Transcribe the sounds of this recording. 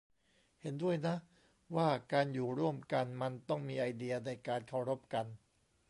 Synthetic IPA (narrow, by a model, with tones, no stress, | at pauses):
he˩˦ndu˥˩əjna˦˥ʔ | waː˥˩kaː˧njuː˨˩ɾu˥˩əmka˧nma˧nt̪ɔ˥˩ŋmiː˧ʔa˧jdi˧ɐna˧jkaː˧nkʰa˧˥˩wɾo˦˥p̚ka˧n